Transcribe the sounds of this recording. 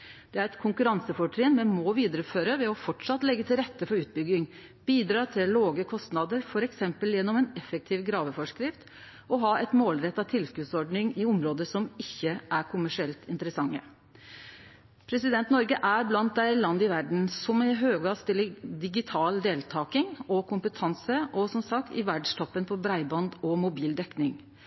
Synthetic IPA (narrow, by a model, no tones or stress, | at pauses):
d̪̥ɛæɾɛt̪kʰʊŋkʉɾɑŋsəfɔʈʰɾeːnmɛnmɔʋiːd̪əɾəføːɾəʋɛɔfɔʈʂɑt̪lɛɡːət̪ʰɪlɾɛt̪ːəfɔɾʉːt̪̚bʏɡːɪŋ | b̥iːd̪ɾɑːt̪ʰɪlloːɡəkʰɔst̪nɑd̪əɾfɔɾɛksɛmpəljɛnːɔmɛːnɛfɛk̚t̪ʰiːʋɡɾɑːʋəfɔʂkɾɪft̪ | ɔɦɑːɛt̪moːlɾɛt̪ːɑʋt̪ʰɪlskʉːt̪sɔɖɳɪŋɪʊmɾoːd̪əʂɔmɪçːəʔæɾkʰʊmæʂɪɛlt̪ɪnt̪əɾəsɑŋːə̰ | pʰɾɛsɪd̪ɛnt̪nɔɾɡəʔæɾblɑnt̪̚d̪æɪlɑnd̪ɪʋæɖɳ̩sɔmɛɦøːɡɑst̪ɪlːəd̪ɪɡɪt̪ʰɑːld̪eːlt̪ʰɑːkɪŋɔkʰʊmpət̪ʰɑnsəʔɔsɔmsɑk̚t̪ɪʋæɖʂt̪ʰɔpːənpʰɔbɾæɪbɑnd̪ɔmʊbiːld̪ɛknɪŋ